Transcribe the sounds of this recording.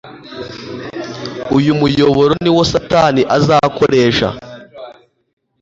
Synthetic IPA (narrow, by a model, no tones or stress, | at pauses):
ujumujo̞βo̞ɾo̞niwosataniʔazaːko̰ɾe̞ːʃa̰